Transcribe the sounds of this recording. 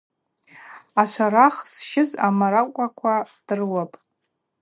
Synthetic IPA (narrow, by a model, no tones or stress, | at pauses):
aʃʷʰaɾaχsʃɪzamaɾakʷʼakʷʰad̥ɨrwapʼ